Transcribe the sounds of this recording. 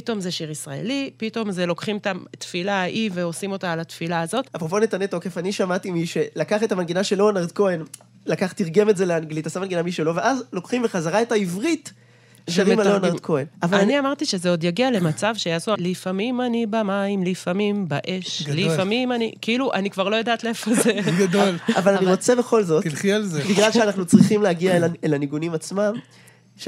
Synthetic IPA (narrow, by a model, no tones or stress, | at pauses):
pito̞mzeʃiʁisʁae̞̰lipito̞mze̞lo̞kχimetat̪filaʔive̞o̞simo̞t̪aːlat̪filaːzo̞t̪apʁoponet̪anet̪o̞ke̞faniʃamat̪imiʃe̞lakaχet̪amanɡinaʃelːonaʁd̪̚koen | lakaχt̪iʁɡe̞metzeleanɡlitasamanɡinamiʃelo̞veʔazlo̞kχimveχazaʁaetaivʁit̪ | ʃavemalonaʁkʰoenavalaniamaʁt̪iʃe̞zeo̞d̪jaɡiale̞mat͡savʃejaːsualifamimanibamaimlifamimbaʔe̞ʃlifamimanikeiluʔanikvaʁlo̞jod̪aːt̪leefozeɡad̪olavalaniʁo̞t͡sebe̞χo̞lzo̞t̪ilχialzebiɡlalʃeanaχnut͡sʁiχimleaɡialelaniɡunimat͡smam | ʃ